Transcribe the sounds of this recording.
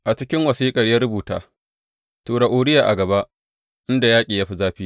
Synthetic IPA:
ʔa˨t͡ʃɪ˦kʲɪ˦ŋwɐ˨siː˦kʼɐ˨rjɐ˦ɾʊ˦buː˨ta̰ː˨ | toː˨ɽa˨ʔoː˨ɽɪ˦jaː˨ʔa̰˨ɡɐ˨ba˦ʔ | ʔɪ˦nda˨jaː˦kʲʼiː˨ja˦ɸi˦zaː˦ɸiː˦

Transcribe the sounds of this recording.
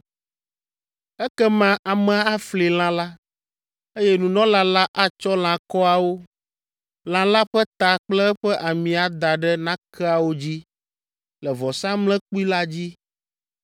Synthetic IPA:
ɛ˦kɛ˦mã˦ʔa˨mɛ̃˨a˦a˦fli˨l̃ã˦la˦ | e˦jɛ˦nũ˨nɔ̃˦la˦la˦ʔa˦t͡ʃɔ˦l̃ã˨kɔ˦a˨wo˦ | l̃ã˨la˦ɸɛ˦t̪a˨k͡plɛ˦ɛ˦ɸɛ˦ʔa˨mĩ˨a˨d̪a˨ɖɛ˦nã˦kʰɛ˦a˨wo˦d͡ʑi˦ | lɛ˨vɔ˨sã˦mlɛ̃˦k͡pu˦i˦la˦d͡ʑi˦

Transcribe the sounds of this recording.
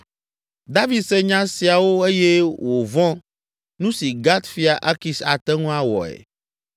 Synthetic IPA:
d̪a˦vi˨d̪sɛ˦ɲã˦si˨a˨wo˦e˦jɛ˦wo˨vɔ̃˦ | nũ˦si˨ɡa˦t̪fi˦a˨ʔa˦ki˨sa˨t̪ɛ˦ŋũ˦a˦wɔ̰˨ɛ̰˨

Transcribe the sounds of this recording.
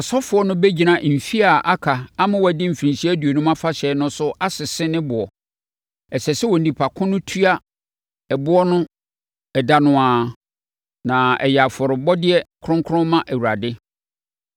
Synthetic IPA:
ɔ˨sɔ˦fʊ˦ɔ˦nʊ̃˦be˦d͡ʑi˨nã˨m̩˨fi˦a˨ʔa˦kʰa˨a˦mʊ̃˦wɔ˨æ˨dɪ˦m̩˨fĩ˨si˦æ˦du˨o˨nũ˦mã˦fa˦ɕɛ˨˦nʊ̃˦sʊ˦ʔa˦sɪ˨sɪ˦nɪ̃˦bʊ˨ɔ˨ | ɛ˨sɛ˨sɛ˦wɔ˨n̩˨nĩ˨pʰa˨kʰʊ̃˦nʊ̃˦tʰu˦a˦ | ɛ˨bʊ˦ɔ˦nʊ̃˦ | ɛ˨da˦nʊ̃˦ãː˨ | nã˨ɛ̰˨jɛ˨a˨fɔ˨ɾɪ˨bɔ˦dɪ˦ɛ˦kʰɾʊ̃˦ŋkʰʊ˦ɾʊ̃˦mːã˦ʔæ˨wu˨ɾa˨dɪ˦

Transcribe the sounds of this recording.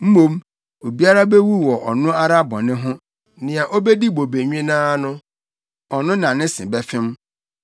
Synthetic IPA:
m̩˦mõ˦m | o˨bi˦a˦ɾa˦be˦wu˦˨wɔ˨ʔɔ˨nʊ̃˦a˦ɾa˦bɔ̃˨nɪ̃˦ɦʊ̃˦ | nɪ̃˨a˨ʔo˦be˦di˦bo˨be˨ɲᶣɪ̃˦nãː˦nʊ̃˦ | ɔ˨nʊ̃˦nã˨nɪ̃˦sɪ̰̃˨bɛ˦fɪ̃˦m

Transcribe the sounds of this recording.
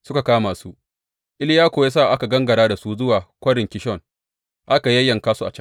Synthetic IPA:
sʊ˦ka˨kaː˦maː˨su˦ | ʔɪ˦ljaː˦kʷoː˨jaː˦s̬aː˦˨ʔa˦ka˨ɡɐ˦ŋɡɐ˨ɽaː˦da˨suː˦zʊ˦waː˨kʷɐ˦ɽɪ˨ŋkʲɪ˦ʃɔ˦˨n | ʔa˦ka˨jɐ˦jːɐ˨ŋkaː˦su˦a̰˨t͡ʃɐ˦ŋ

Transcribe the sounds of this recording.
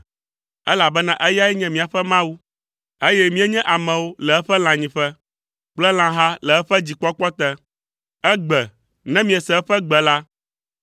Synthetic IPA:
ɛ˦la˨bɛ˦nã˦ʔɛ˦ja˦ɛ˦ɲɛ̃˦mĩ˨a˨ɸɛ˦mã˦wu˦ | e˦jɛ˦mĩ˦ɛ˦ɲɛ̃˦ʔa˨mɛ̃˨wo˦lɛ˨ɛ˦ɸɛ˦l̃ã˨ɲĩ˨ɸɛ˦ | k͡plɛ˦l̃ã˦ɦa˦lɛ˨ɛ˦ɸɛ˦d͡ʑi˨k͡pɔ˦k͡pɔ˦t̪ɛ˦ | ɛ˦ɡ͡bɛ˨ | nɛ̃˦mĩ˦ɛ˨sɛ˨ɛ˦ɸɛ˦ɡ͡bɛ˨la˦

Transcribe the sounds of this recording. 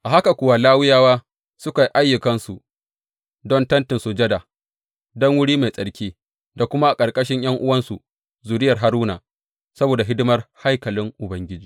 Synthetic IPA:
ʔa˨ɦa˦ka˨kʷʊ˦wa˦laː˦wʊ˦jaː˦waː˦ | sʊ˦ka˨ʔa˦jːʊ˨kɐ˦nsu˨ | dɔ˦ntɐ˦ntɪ˨nsʊ˨d͡ʒɐ˦da˨ | dɔ˦ŋwʊ˦ɽiː˦ma˨jsʼɐ˨ɽkʲiː˦ | da˨kʷʊ˦ma˦ʔa˨kʼɐ˨rkʼɐ˦ʃɪ˦ɲj̰ɐ˦ŋʔʊ˦wɐ˦nsu˨ | zuː˨dɪ˦jɐ˨rɦa˦ɾuː˦na̰ː˨ | sɐ˦boː˨da˨ɦɪ˦dɪ˦mɐ˦rha˦jkɐ˨lɪ˦ŋʔʊ˨bɐ˦ŋɡʲɪ˦d͡ʒiː˦

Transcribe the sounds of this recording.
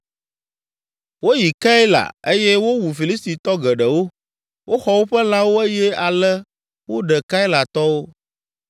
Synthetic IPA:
wo˦ji˨ka˦e˦la̰˨e˦jɛ˦wo˦wu˨fi˨li˦st̪i˨t̪ɔ˦ɡɛ˨ɖɛ˨wo˦ | wʔo˦xɔ˨wo˦ɸɛ˦l̃ã˦wo˦e˦jɛ˦a˨lɛ˦ | wo˦ɖɛ˨ka˦i˦la˨t̪ɔ˦wo˦

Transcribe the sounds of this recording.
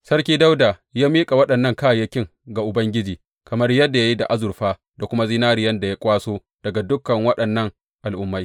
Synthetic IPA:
sɐ˦rkʲiː˦da˦wda˨ | jaː˦miː˦kʼa˨wɐ˦ɗɐ˨nːɐ˦˨ŋkaː˦˨jɐ˦kʲɪ˦˨ŋ | ɡa˨ʔʊ˨bɐ˦ŋɡʲɪ˦d͡ʒiː˨ | kɐ˨mɐ˦rjɐ˦dːa˨ja˦ji˦da̰˨ʔa˦zʊ˨rɸaː˦ | da˨kʷʊ˦ma˦zi˦naː˦ɾɪ˨jɐ˦nda˨ja˦kʷʼaː˦soː˦ | d̥ɐ˨ɡa˨dʊ˦kːɐ˨ŋwɐ˦ɗɐ˨nːɐ˦ŋ | ʔa˨lʔʊ˦mːa˦j

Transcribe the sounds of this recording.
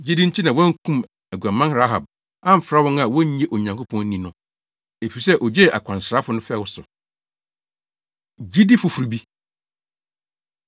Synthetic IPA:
d͡ʑi˦dĩ˦n̩˦tʰi˦nã˨wɔ̃˦ŋ̩˦kʰũ˦m | æ˨ɡa˨mã˦nɾa˦ɦa˨b̚ | ã˦m̩˨˦fɾa˦wɔ̃˦na˨wɔ̃˦ɲ˦ɲɛ˦ʔo˨ɲã˨ŋkʰo˦pʰɔ̃˦nĩ˨˦nʊ̃˦ | e˨fi˨i˨sɛ˦ʔɔ˨d͡ʑe˦˨ʔa̰˨kʷʰã˨n˨sɾa˦fʊ˨nʊ̃˦fɛ˦˨wʊ˦sʊ˨ | d͡ʑi˦di˦fʊ˨fu˨ɾi˨bi˦

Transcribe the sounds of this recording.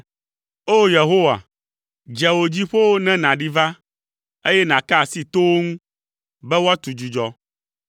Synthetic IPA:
o˦je˨ɦo˦wa̰˨ | d͡ʒɛ˨wo˨d͡ʑi˦ɸo˦wo˦nɛ̃˦nã˨ɖi˦va˦ | e˦jɛ˦nã˨ka˦a˨si˦t̪o˦wo˦ŋũ˦ | bɛ˦wo˦a˦t̪u˨d͡ʒu˨d͡ʒɔ˦

